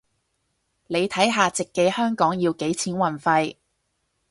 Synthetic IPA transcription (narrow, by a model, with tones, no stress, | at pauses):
ne˨˧jt̪ʰɐ˨˥jɦaː˨˧t͡sɪ˨kːe˨˧˥jhœː˥ŋkɔː˨˥ŋji˧wke˨˥jt͡sʰiː˨˥nwɐ˨˩nfɐ˧j